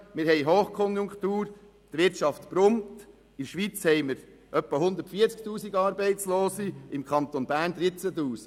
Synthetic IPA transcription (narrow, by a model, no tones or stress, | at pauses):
mɪɾɦɛjɦoːχkʰɔnjʊŋkχt̪uːɾ | t̪ʋɪʃɑft̪pɾʊmt | ɪʃʋit͡shɛjməɾ | ʔœpːəɦʊnd̪əɾtfiːt͡sktuːsiɡɑːɾbɛɪtt͡sloːsiɪmkʰχɑnt̪onbæːɾnd̪ɾɪt͡sətuːsi̥ɡ